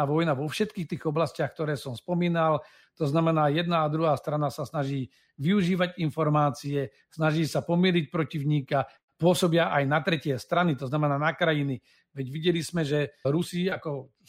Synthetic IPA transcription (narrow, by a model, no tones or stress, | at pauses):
aʋɔjnaʋɔfʃɛt̪kiːxt̪iːɣɔblascɪaxk̚t̪ɔɾɛːsɔmspɔmiːnal | t̪ɔznamɛnaːjɛd̪naːd̪ɾuɦaːst̪ɾanasasnaʒiː | ʋiuʒiːʋaɟinfɔɾmaːt͡siɛ | snaʒiːsapɔmilic̚pɾɔciʊɲiːka | pʊɔsɔbɪaʔajnat̪ɾɛcɪɛst̪ɾanit̪ɔznamɛnaːnakɾajini | ʋɛɟʋiɟɛlismɛʒɛɾusiakɔ